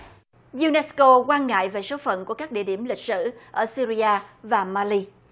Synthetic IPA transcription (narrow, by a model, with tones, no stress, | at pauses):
zu˧nɛ˧˥sko˧kwaː˧nŋa̰ː˧˨jve˨˩so˨˦fə̰˧˨nku˧˩əkaː˦˥k̚ɗḭ˧əɗi˧˩əmlï˨˩k̟̚sɨ̰˧˥ʔəː˧˩si˧ɾi˧ʔaː˧vaː˨˩maː˧li˧